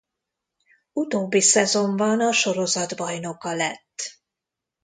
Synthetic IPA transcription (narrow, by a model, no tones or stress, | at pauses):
ut̪oːbːisɛzo̞mbɒnɒʃo̞ɾo̞zɒd̪bɒjno̞kɒlɛt̪ː